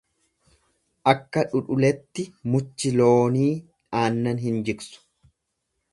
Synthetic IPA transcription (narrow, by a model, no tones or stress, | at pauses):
ʔɐkːɐᶑʊᶑʊlɛt̪ːɪmʊt͡ʃːɪloːniː | ᶑaːnːɐnhɪnd͡ʒɪksʊ̥